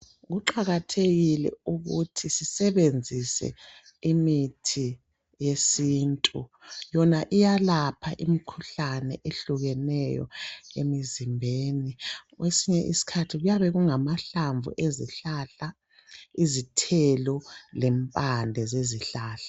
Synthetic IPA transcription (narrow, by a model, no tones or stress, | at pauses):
ɣuǃaɣatʰeɣilɛ̰uɣutʰisisɛβend͡zʱisɛ̰ | imitʰi | jesiːntʼujɔnaʔijalapʰaʔimikʰuɬanɛ̰ʔeɬuɣɛnɛjɔ̰ḛmizimbʱeːniɣwesiɲɛʔisi̥kʰatʰiɣujaβɛɣuŋamaɬaɱvṵʔezḭɬaɬa | izitʰɛlɔlɛmpʼandʱɛzeziɬaːɬḁ